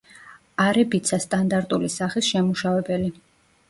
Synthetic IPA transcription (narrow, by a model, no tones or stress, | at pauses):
aɾɛbit̪sʰast̪ʼand̪aɾt̪ʼulisaχisʃɛmuʃavɛbɛli